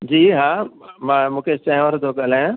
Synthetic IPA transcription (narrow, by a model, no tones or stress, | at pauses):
d͡ʑiːɦãːmãːmũːkʰet͡ʃɛ̃ɦʋəɾd̪ʰokəlajãː